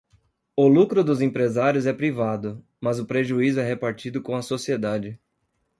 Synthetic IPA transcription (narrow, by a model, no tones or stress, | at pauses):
ʊlukɾʊd̪ʊzẽpɾezaɾjʊzɛpɾivad̪ʊ | mɐzʊpɾeʒuizʊɛhepaɾt͡ʃid̪ʊkõɐsosied̪ad͡ʒɪ